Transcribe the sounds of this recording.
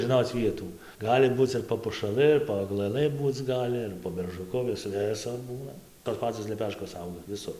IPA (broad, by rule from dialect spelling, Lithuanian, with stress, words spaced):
ʒʲɪˈnoːt͡s ˈʋʲiɛtuː ˈɡɑːlʲɪ ˈbuːt͡s ɪr poː pʊʃɐˈlˠɨ ɪr poː ɐɡlˠɐˈlˠɨ ˈbuːt͡s ˈɡɑːlʲɪ ɪr poː bʲɛrʒʊˈkʊ ˈʋʲɪs ˈʋʲɪsʊr ˈbuːnɐ toːs ˈpɑːt͡soːs lʲɛˈpʲæːʃkoːs ˈɐʊɡɐ ʋʲɪˈsʊr